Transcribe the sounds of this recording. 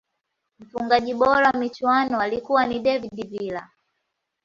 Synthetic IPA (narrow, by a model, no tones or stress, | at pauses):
m̩fuŋɡaʄiɓɔɾawmit͡ʃwanɔalikuwaniɗɛvidivila